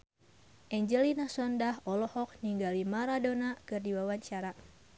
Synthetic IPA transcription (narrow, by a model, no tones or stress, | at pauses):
ʔɛɲd͡ʒɛlinasɔndaɦʔɔlɔhɔk̚niŋɡalimaɾadonakɨrdiwawaɲt͡ʃaɾa